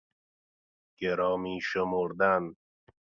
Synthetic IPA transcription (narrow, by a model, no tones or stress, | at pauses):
ɡ̥eɾɒːmiːʃemoɾd̪æn